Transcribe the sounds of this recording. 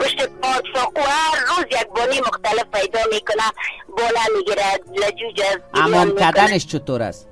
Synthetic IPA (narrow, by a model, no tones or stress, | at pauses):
bʊʃtepɔt̪sɔquaɾːozjaɡ̚bɔnimʊxt̪alɪfpajd̪ɔmekʊnabɔlamɪɡiɾalad͡ʒud͡ʒaza̰mɔmkaanɪʃt͡ʃʊt̪oɾa̰s